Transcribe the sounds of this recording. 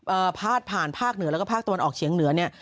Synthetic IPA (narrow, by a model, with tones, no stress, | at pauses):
ʔəː˨˩pʰaː˥˩t̪̚pʰaː˨˩npʰaː˥˩k̚nɯ˨˩˦lːkɔ˥˩aː˥˩k̚t̪wa˧nʔɔː˨˩k̚t͡ɕʰi˩˦ŋnɯ˩˦ɐni˥˩ɐ